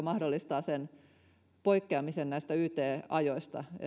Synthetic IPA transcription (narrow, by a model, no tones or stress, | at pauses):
mɑhdolːist̪ɑːsen | poikːeɑmisennæist̪æyːt̪eːɑjoist̪ɑ̰